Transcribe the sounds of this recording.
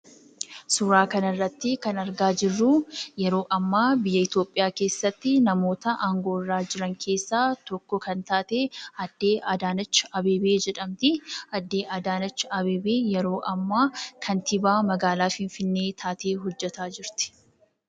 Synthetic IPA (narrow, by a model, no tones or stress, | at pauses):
suɾaːkɐnɐrːɐt̪ːɪkɐnɐɾɡaːd͡ʒɪrːuːjɛɾo̞ːʔɐmːaːbɪjːɐɪt̪jo̞ːpʼːɪjaːke̞ːsːɐt̪ːɪnɐmo̞ːt̪ɐʔaːŋɡo̞ːɪrːaːd͡ʒɪɾɐŋkʰe̞ːsːaːt̪ɔkːɔkɐnt̪aːt̪eːɐd̪ːe̞ːʔɐd̪aːnɐt͡ʃːɐɐbe̞ːbeːd͡ʒɛᶑɐmt̪ɪɐd̪ːe̞ːʔɐd̪aːnɐt͡ʃːɐbeːbeːjɛɾo̞ːʔɐmːaːkʰɐnt̪ɪbaːmɐɡaːlaːfɪɱfɪnːe̞ːt̪ʰaːt̪e̞ːɦɔd͡ʒːɛt̪aːd͡ʒɪɾt̪ɪ̥